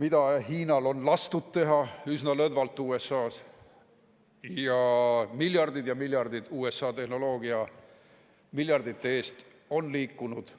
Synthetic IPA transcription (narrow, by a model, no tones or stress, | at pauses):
mid̪̥ɑhiːnɑlo̞nlɑst̪ud̪t̪ːe̞ɦɑysnɑlɤd̪vɑlt̪ːˑuːe̞sːɑːs | jɑmilʲjɑrd̪id̪̥jɑmilʲjɑrd̪id̪̥uːe̞sːɑːt̪e̞hno̞lo̞ːɡ̥iɑ | milʲjɑrd̪̥it̪ːee̞ːst̪ | o̞nliːkːˑunud̪̥